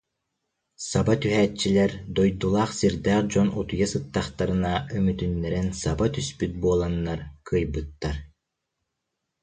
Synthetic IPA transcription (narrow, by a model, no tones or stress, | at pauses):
sabat̪yɦæːt͡ʃt͡ɕːilɛɾd̪ɔjd̪ulˠaːχsiɾd̪æːχd͡ʑɔnut̪ujasɯt̪ːaχt̪aɾɯnaymyt̪ynːɛɾɛnsabat̪yspyt̪̚buɔlˠanːaɾkʰɯjbɯt̪ːaɾ